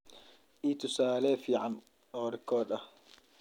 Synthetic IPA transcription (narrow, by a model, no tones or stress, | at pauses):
ʔiːt̪ʰʊsaːlɛːfiːʕan | ɔːɾɪkʰɔːd̪ɐh